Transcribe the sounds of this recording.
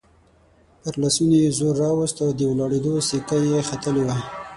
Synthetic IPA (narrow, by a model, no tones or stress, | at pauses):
paɾlasunojezoɾːɑwəst̪awd̪əwlɑɽed̪osikajexat̪əlewa